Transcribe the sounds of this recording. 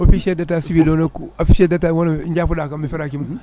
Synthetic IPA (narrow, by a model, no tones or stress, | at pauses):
ofiʃedatasibilonokuofiʃedatawonand͡ʒafudakamifiɾakimu